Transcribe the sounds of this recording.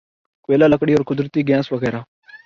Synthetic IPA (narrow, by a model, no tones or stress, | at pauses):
kʊʋeːlaːləkɽiːoːɾkʊd̪ɾt̪iːɡjãːsʋəɣɛːɾaː